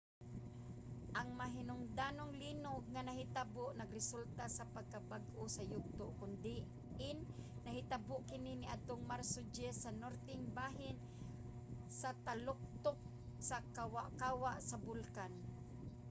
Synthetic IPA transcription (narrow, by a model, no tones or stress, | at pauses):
ʔaŋmaɦɪnʊŋd̪aːnoŋliːnoɡŋanaɦɪt̪aboʔnaɡɾɪsult̪asapaɡ̚kabaɡʔʊsajʊɡ̚t̪oʔkʊnd̪ɪ | ɪnːaɦɪt̪abʊʔkɪninɪʔad̪̚t̪oŋmaɾsod͡ʒɛsanoɾt̪ɪŋbaːɦɪn | sat̪alʊk̚t̪ʊk̚ | sakawaʔkaːwaʔsabʊlkan